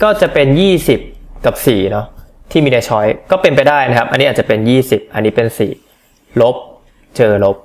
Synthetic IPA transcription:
kɔː˥˩t͡ɕa˨˩pe˧njiː˥˩si˨˩p̚ka˨˩p̚siː˨˩nɔ˦˥t̪ʰiː˥˩miː˧na˧jt͡ɕʰɔ˦˥jkɔː˥˩pe˧np̬a˧jdaː˥˩jna˦˥kʰa˦˥p̚ʔa̰˧nːi˦˥aː˨˩t̚t͡ɕa˨˩pe˧njiː˥˩si˨˩p̚ʔa˧nːiː˦˥pe˧nsḭː˨˩ | lo˦˥p̚ | t͡ɕɤː˧lo˦˥p̚

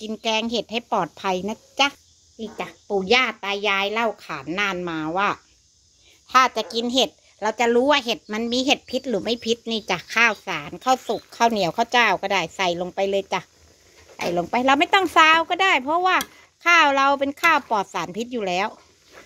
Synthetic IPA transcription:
ki˧nkɛː˧ŋɦe˨˩t̪̚ha˥˩jpɔː˨˩t̪̚pʰa˧jna˦˧˥t͡ɕa˧˩ | ni˧˩t͡ɕa˨˩puː˨˩jaː˥˩t̪aː˧jːaː˧˥jla˥˩wkʰaː˩˦nːaː˧˩˨nmaː˧waː˥˩ | t̪ʰaː˥˩t͡ɕa˨˩ki˧nɦe˨˩t̪̚ | ɾa˧wt͡ɕa˨˩ɾuː˦˥waː˥˩ɦe˨˩t̪̚ma˧˥nmiː˧ɦe˨˩t̪̚pʰi˦˥t̪̚ɾɯː˩˦ma˥˩jpʰi˦˥t̪̚niː˧˩t͡ɕaː˨˩kʰːaː˥˩wsaː˩˦nkʰa˥˩wsu˨˩kʰːaː˥˩wni˩˦əwkʰa˥˩wt͡ɕaː˧˩wkɔː˥˩daː˥˩jsa˨˩jlo˧ŋpa˧jlɤː˧jt͡ɕa˨˩ʔ | sa̰˨˩jlo˧ŋpa˧jɾa˧wma˥˩jt̪ɔ˥˩ŋsaː˨˧˥wkɔː˥˩daː˥˩jpʰɔ˦˥waː˥˩ | kʰaː˥˩wɾa˧wpe˧nkʰaː˥˩wpɔː˨˩t̪̚saː˩˦npʰi˦˥t̪̚juː˨˩lɛː˨˦˥w

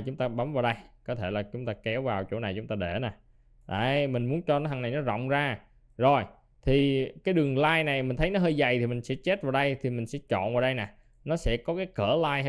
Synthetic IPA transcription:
t͡ɕʊ˨˦ŋ͡mt̪aː˧ɓa˨˦mvaː˨˩wɗə˧jkɔ˨˦t̪ʰe˧˩laː˨˩t͡ɕʊ˨˦ŋ͡mt̪aː˧kɛ˨˦wvaː˨˩wt͡ɕo̰˧˥˦na˨˩jt͡ɕʊ˨˦ŋ͡mt̪aː˧ɗe˧˩naː˨˩ | ɗa˧˨˩mï˨˩ŋ̟mu˨˦ənt͡ɕɔ˧nː˨˦ɦa˧ŋna˨˩jnɔ˨˦zɔ̰˧˨wŋ͡mzaː˧ | zo˨˩j | t̪ʰi˨˩kaː˨˦jɗɨ˨˩əŋlaː˧jna˨˩jmï˨˩ŋ̟t̪ʰə˨˦jnɔ˨˦ɦəː˧jza˨˩jt̪ʰi˨˩mï˨˩ŋ̟sɛ̰˧˥t͡ɕe˦˥t̚vaː˨˩wɗə˧jt̪ʰi˨˩mï˨˩ŋ̟sɛ̰˧˥t͡ɕɔ̰˧˨nvaː˨˩wɗə˧jna˨˩ | nɔ˨˦sɛ̰˧˥kɔ˨˦kaː˨˦jkəː˧˩laː˧jh

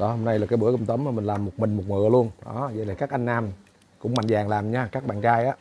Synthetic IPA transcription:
ɗɔ˨˦ho˧mna˧jlaː˨˩kaː˨˦ɓɨ̰˧˥əkə˧wŋ͡mt̪ə˨˦maː˨˩mï˨˩ŋ̟laː˨˩mːo˨˩t̚mï˨˩ŋ̟mo˨˩t̚mɨ̰˧˨əlu˧ənɗɔ̰˨˦zə̰˧˦laː˨˩kaː˦˥k̚ʔa˧jŋ̟naː˧m | kʊ̰˧˥ŋ͡mma̰˧˨ŋzaː˨˩ŋlaː˨˩mɲaː˧kaː˦˥k̚ɓa̰ː˧˨nt͡ɕaː˧jʔaː˨˦˥

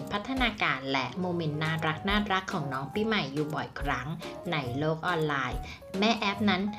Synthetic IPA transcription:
npʰa˦˥t̪ʰːa˧naː˧kaː˧nlɛ˦˥ʔmoː˧me˧nːaː˥˩ɾa˦˥k̚naː˥˩ɾa˦˥kʰːɔː˩˦ŋnɔː˦˥ŋpiː˧˩ma˨˩jːuː˨˩bɔ˨˩jkʰɾa˦˥ŋna˧jloː˥˩k̚ʔɔː˧nlaː˧j | mɛː˥˩ʔɛ˦˥p̚na˦˥n

